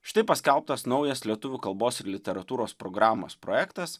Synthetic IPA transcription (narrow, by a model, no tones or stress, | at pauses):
ʃʲɪ̥t̪ɐɪpɐsʲkʲɛlˠp̚t̪ɐsnɒʊjɛslʲiɛt̪ʊʋʲuːkɐlˠboːsɪɾlʲɪt̪ʲɛɾɐt̪uːɾoːspɾɔɡɾɑːmo̰spɾo̰jækt̪ɐs